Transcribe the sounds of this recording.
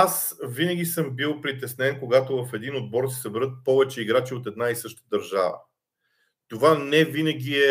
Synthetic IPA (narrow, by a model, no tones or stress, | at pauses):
asvinəɡʲisɤmbilˠpɾit̪ɛsnɛnkoɡat̪ovɐfɛd̪inod̪̚bɔɾsɛ̥səbɛɾɤt̪̚pɔvɛt͡ʃɛiɡɾat͡ʃiot̪ɛd̪naisɤʃt̪ə̥d̪əɾʒa̰və̰ | t̪ovanɛvinəɡʲiɛ